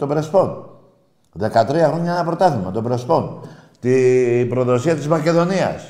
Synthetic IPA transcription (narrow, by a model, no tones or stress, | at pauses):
t̪opɾespon | ðekat̪ɾiaɣuɲaapɾot̪aθimat̪opɾespon | t̪ipɾoðosiat̪izmakeðonia̰s